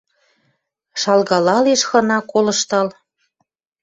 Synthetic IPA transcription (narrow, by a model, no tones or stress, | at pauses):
ʃɑlɣɑlɑleʃxɤ̆nɑkolɤ̆ʃt̪ɑl